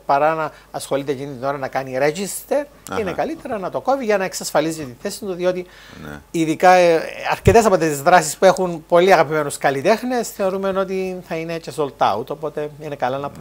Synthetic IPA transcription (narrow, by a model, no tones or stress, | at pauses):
pɐɾɐnɐː | sxo̞lit̪ecinit̪ino̞ɾɐnɐkɐniɾeʝist̪eɾ | inekɐlit̪e̞ɾɐnɐt̪o̞ko̞viʝɐnɐe̞ksɐsfɐlizicet̪inθe̞sit̪uðio̞t̪ḭ | iðikɐɐ̰ɾcet̪e̞s̬ɐpot̪et̪izðɾɐsispue̞xunpo̞liɐɣɐpime̞nuskɐlit̪e̞xnesθeoɾumeno̞t̪iθɐine̞cesolt̪ɐ̰ut̪o̞pot̪e̞inekɐlɐnɐpɾ